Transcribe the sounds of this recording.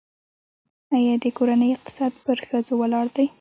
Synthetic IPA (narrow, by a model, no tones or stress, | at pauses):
ajɑd̪əkoɾanəjɪq̚t̪ɪ̥sɑd̪̚pəɾxəd͡zowalɑɽd̪aj